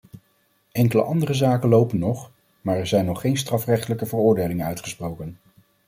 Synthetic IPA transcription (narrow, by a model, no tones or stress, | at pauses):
ɛŋkələ̰ʔɑndərəzaːkənlowpənːɔχ | maːɹɛɹzɛjnːɔχːejnstrɑfrɛχtələkəvərʊːɹdejlɪŋənœɥtχəsprowkən